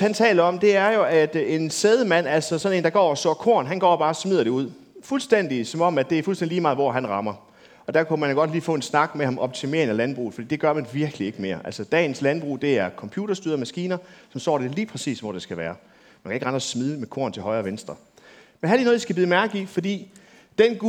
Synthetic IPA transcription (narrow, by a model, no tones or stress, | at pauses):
hænt͡sʰɛ̰ːlɐɒ̽md̥e̝æɐjo̝æd̥e̝nseːð̞ˠəmæn̰æl̰sɒ̽sɒ̽ne̝̰ːnd̥ɑ̈ɡ̥ɒ̰ːɒsɔ̰ːkʰo̝̰ɐnɦænɡ̥ɒ̰ːb̥ɑ̈ːsmið̞̰ˠɐɾ̥euð̞̰ˠ | fulsd̥en̰d̥isɒ̽mɒ̽m̰æd̥e̝æɐfulstend̥iliːmɑ̈ːð̩ˠʋɒ̰ːɦænʁɑ̈mɐ | ʔɒ̽d̥æɐkʰumænjoɡ̥ɒ̽d̥liːfɔ̰ːe̝nsnɑ̈ɡ̥mehɑ̈mʔɒ̽b̥̚t͡sʰime̝̰ɐŋælænb̥ʁṵːð̩fd̥ḭːd̥e̝ɡ̥ɶɐmænʋiɐɡ̥əlie̝ɡ̥me̝ːɐ̰ʔælsɒd̥ɛ̰ːn̩slænb̥ʁṵːd̥e̝æɐkʰɒ̽mpʰjuːd̥ɐsd̥yːðˠmæsɡ̥iːnɐsɒ̽msɒ̰ːd̥e̝liːpʰʁɛsḭːsʋɒ̰d̥e̝sɡ̥æʋæːɐ | mænkʰæeɡʁɑ̈ndʁɐsmið̞ˠəmekʰo̝ɐnt͡sʰe̝lɦɒ̽ɪɐːʋensd̥ʁɐ | menhæd̥eɐnoːðˠdisɡæbiːð̩ˠmæɐɡ̥ifɒ̽d̥ḭː | d̥enɡ